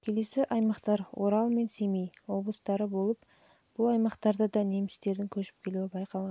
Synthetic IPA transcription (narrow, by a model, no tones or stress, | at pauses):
kʲʰe̞le̞sɪʔɑjmɑqt̪ɑɾwʔo̞ɾɑlˠme̞nse̞mejwo̞blˠəst̪ɑɾəbo̞lˠəp | b̥ʊlˠɑjmɑqt̪ɑɾd̪əd̪ɑne̞mɪst̪e̞ɾd̪ɪŋkʲʰɵʃɪ̥p̚kʲʰe̞luɪbɑjqɑlˠʁɑ